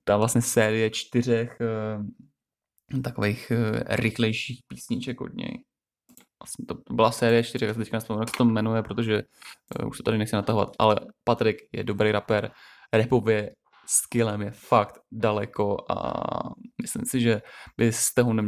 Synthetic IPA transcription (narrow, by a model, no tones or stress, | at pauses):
t̪avlasɲɛsɛːɾɪjɛt͡ʃt̪ɪr̝ɛx | t̪akovejxɾɪxlɛjʃiːxpiːsɲɪt͡ʃɛkɦo̰dɲɛ̰j | vlasɲɛt̪ot̪obɪlasɛːɾɪjɛt͡ʃt̪ɪɾɛxjasɛt̪ɛc̚kanɛspmnakst̪omːɛnujɛpɾo̞t̪o̞ʒɛṵʃsot̪adɪnɛxt͡sɪnat̪aɦo̞va̰t̪ʔa̰lɛpat̪ɾɪkjɛ̰do̞bɾejɾapɛɾ | ɾɛpovjɛ | skɪlɛmjɛfakt̪dalɛkoʔa̰ | mɪslɪ̰msɪʒɛbɪst̪ɛɦonɛm